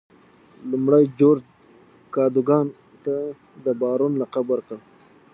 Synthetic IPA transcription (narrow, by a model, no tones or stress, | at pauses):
lumɽajd͡ʒoɾd͡ʒ | kɑːd̪uɡɑːn | t̪a | d̪əbɑːɾunlaqabwəɾkə